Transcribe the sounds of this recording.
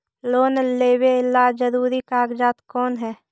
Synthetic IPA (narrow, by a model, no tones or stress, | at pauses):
loːnleːwelad͡ʒəɾuːɾikaːɡd͡ʒaːt̪kɔːnɦɛː